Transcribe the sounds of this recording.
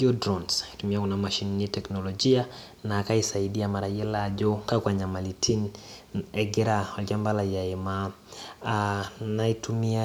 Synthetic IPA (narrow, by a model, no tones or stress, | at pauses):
ɡiɔdɾɔnsi̥tumiakunamaʃinnitɛknɔlɔd͡ʒia | naːkaisaiɗiamaɾaiɛlaʄɔkakwaɲamalitʰin | ɛɡɛɾawalkambalajaɛma | naitumia